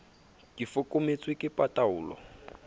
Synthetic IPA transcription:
kifʊkʼomet͡sʼwɪkʼɪpʼatʼaʊːlɔ̰

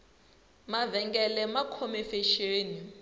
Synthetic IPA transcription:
mavɛŋɡɛlɛmakʰɔmɛfeʃeːni

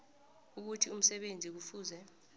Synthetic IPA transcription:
uk̬utʰium̩sɛɓend͡zʱik̬ufuːzɛ

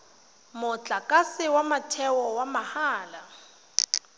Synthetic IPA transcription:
mʊt͡ɬʼakʼasɪwamatʰɛwɔwamahaːla

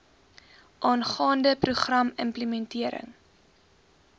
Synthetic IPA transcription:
ʔɑːnχɑːndəpruχrɐmə̰mpləmɛntiəɾə̰ŋ

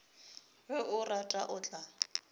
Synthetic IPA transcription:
wɛʔʊratʼaʔʊt͡ɬʼa

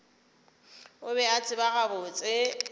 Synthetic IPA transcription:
ʊbɛat͡sʼɪbaɣabʊt͡sʼɪ

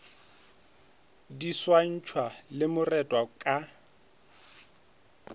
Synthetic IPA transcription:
diswan̩t͡ʃʰwalɪmʊrɛtʼwakʼa

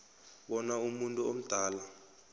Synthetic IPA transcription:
ɓɔnaumuntʼuom̩d̥ʱaːla

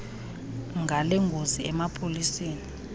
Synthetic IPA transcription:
ŋɡʱalɛŋɡʱoziɛmapʰoliseːni

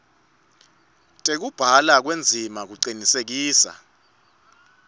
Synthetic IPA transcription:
tʼek̬ub̥ʱalak̬wend͡zʱimak̬uǃinisek̬iːsa̰

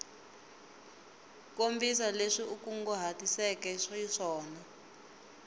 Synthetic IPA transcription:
kombis̬aleʂiukuŋɡɔɦatisɛkɛʂɔiʂɔːna

